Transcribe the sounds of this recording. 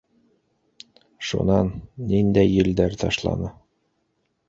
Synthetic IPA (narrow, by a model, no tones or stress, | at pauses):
ʃṵnɑnːind̪æjːɘ̆ld̪æɾt̪ɑʃlˠɑ̰nɤ